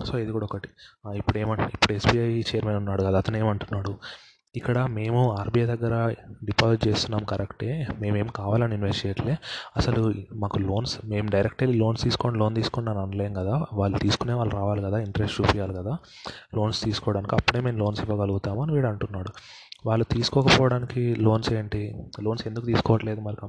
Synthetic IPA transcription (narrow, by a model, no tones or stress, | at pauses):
so̞ːid̪ikuːɽɐɔkɐʈi̥ipːuɽeːmɐɳʈuipːuɽesbiɐjt͡ʃejɐɾmeːnunːaːɽukɐd̪aɐt̪ɐne̞ːmɐɳʈunːaːɽu | ikːɐɽɐme̞ːmuaːɾbijed̪ɐɡːɐɾɐɖipaːsiʈt͡ʃeːst̪unːaːmkɐɾʔekʈeːme̞ːme̞ːmkaːʋaːlɐninʋesʈieːʈleːɐsɐlumaːkulo̞ːnsme̞ːmuɖɐjɾek̚ʈɐlilo̞ːnst̪iːsu̥koːɳlo̞ːnt̪iːsu̥konnɐnɐnleːnkɐd̪aːʋaːɭːut̪iːsu̥kune̞ːʋaːɭːuɾaːʋaːlikɐd̪aːiɳʈɐɾesʈɾuːpijaːlukɐd̪aː | lo̞ːnst̪iːsu̥kɔːʋɐɽaːnikiɐpːuɽeːme̞ːmlo̞ːnsiʋːɐɡɐluɡut̪aːmɐniʋiːɽɐɳʈunːaːɽu | ʋaːɭːut̪iːsu̥kɔːkɐpɔːʋɐɽaːnikilo̞ːnse̞ːɳʈilo̞ːnse̞nd̪uk̬ːut̪iːsu̥kɔːʋɐʈle̞ːd̪umɐɾɐk